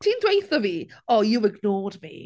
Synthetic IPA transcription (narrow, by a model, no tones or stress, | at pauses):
tʰiːndwejθəviːɔjuɪɡnɔːdmḭ